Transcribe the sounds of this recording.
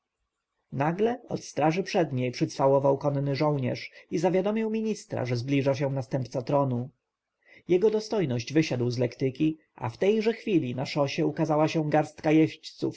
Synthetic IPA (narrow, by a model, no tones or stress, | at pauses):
naɡlɛɔ̰t̪st̪ɾaʐɘpʂɛd̪ɲejpʂɘt̪sfawɔvawkɔnnɘʐɔwɲɛ̰ʂizavʲjad̪ɔmʲiwmʲiɲist̪ɾa̰ʐɛzblʲiʐaɕ̬ɛ̃nast̪ɛmp̚t̪sat̪ɾɔnu | jɛɡɔd̪ɔst̪ɔjnɔʑd͡ʑvɘɕad̪wzlɛkt̪ɘkʲi | a̰ft̪ɛjʐɛxfʲilʲinaʂɔɕɛukazawaɕɛ̃ɡaɾst̪kajɛɕt͡ɕt̪sṵf